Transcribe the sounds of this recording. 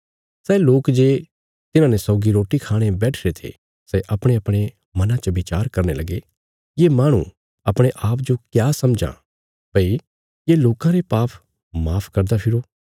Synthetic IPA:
sɛːloːkd͡ʒeː | t̪ɪnãːnesɔʊɡiɾoːʈikʰaːɽ̃ebɛːʈʰɾet̪ʰḛ | sɛʔɐpɽ̃eɐpɽ̃e | mɐnãt͡ʃəʋɪt͡ʃaːɾkɐɾnelɐɡe | jemaːɽ̃ṵ̃ | ɐpɽ̃eʔaːpd͡ʒokjaːsɐmd͡ʒã̰ | bɐi | jeloːkãɾepaːpʰ | maːpʰkɐɾd̪apʰɪɾoː

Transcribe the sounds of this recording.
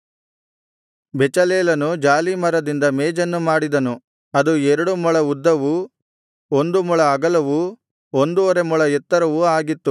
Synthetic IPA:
bɛt͡ʃɐleːlɐnud͡ʒaːlimɐɾɐd̪ind̪ɐmeːd͡ʒɐnːumaːɽid̪ɐnu | ɐd̪uɛɾɐɽumuɭɐud̪ːɐʋu | ond̪umuɭɐːɡɐlɐʋu | ond̪uɔɾe̞muɭɐɛt̪ːɐɾɐʋuaːɡit̪ːu

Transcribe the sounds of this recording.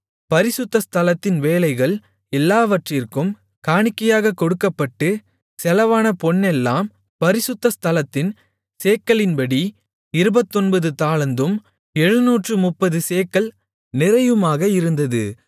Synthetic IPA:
pɐɾɪsɯt̪ːɐst̪ʰɐlɐt̪ːɪnʋeːlɐɪɣɐɭ | ɛlːaːʋɐʈrɪrkɯm | kaːɳɪkːɐjaːɣɐkɔɽɯkːɐpːɐʈːɯ | sɛlɐʋaːnɐpɔɳːɛlːaːm | pɐɾɪsɯt̪ːɐst̪ʰɐlɐt̪ːɪn | seːkːɐɭɪnbɐɽi | ɪɾɯbɐt̪ːɔnbɐðɯt̪aːlɐnd̪ɯm | ɛɻɯnuːʈrɯmʊpːɐðɯseːkːɐɭ | nɪɾɐjɯmaːɣɐɪɾɯnd̪ɐðɯ̰

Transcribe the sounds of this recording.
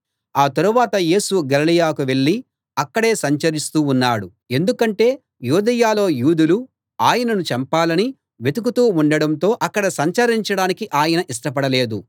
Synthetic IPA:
aːt̪ɐɾuʋaːt̪ɐje̞ːsuɡɐlɐlijaːkuʋe̞ɭːi | ɐkːɐɽe̞ːsɐɲt͡ʃɐɾist̪uːnːaːɽu | e̞nd̪ukɐɳʈe̞ː | juːd̪ɐjaːlo̞ːjuːd̪ulu | aːjɐnɐnut͡ʃɐmpaːlɐni | ʋe̞t̪uk̬ut̪uːuɳɖɐɽɐnt̪o̞ːʔɐkːɐɽɐsɐɲt͡ʃɐɾiɲt͡ʃɐɽaːnikiʔaːjɐnɐʔisʂʈɐp̬ɐɽɐle̞ːd̪u

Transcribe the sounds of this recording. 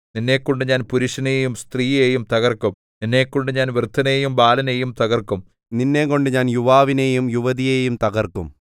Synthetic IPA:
ninːe̞ːkːoɳɖɨɲaːnpuɾuʂɐneːjumst̪riːjeːjumt̪ɐɣɐrkːum | ninːe̞ːkːoɳɖɨɲaːnʋrt̪ʰːɐne̞ːjumbaːlɐne̞ːjumt̪ɐɣɐrkːum | ninːe̞ːkoɳɖɨɲaːnjuʋaːʋine̞ːjumjuʋɐðijeːjumt̪ɐɡɐrkːum

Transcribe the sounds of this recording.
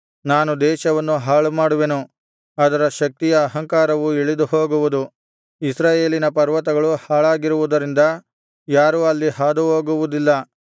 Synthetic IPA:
naːnud̪ɛːʃɐʋɐnːuɦaːɭumaːɽuʋe̞nu | ɐd̪ɐɾɐʃɐk̚t̪ijɐːɦɐŋkaːɾɐʋueɭid̪uɦo̞ːɡuʋud̪u | isɾaːje̞ːlinɐpɐɾʋɐt̪ɐɡɐɭuhaːɭaːɡiɾuʋud̪ɐɾind̪ɐ | jaːɾuɐlːiɦaːd̪uɦoːɡuʋud̪ilːɐ

